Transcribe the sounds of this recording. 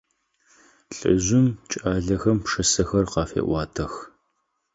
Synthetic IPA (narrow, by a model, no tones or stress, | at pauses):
ɬʼɨ̰ʑʷɪmt͡ʃʼaːɮɐxɐmpʂɨsɐxɐrqɑːfḛːʔʷɑːtʰɐx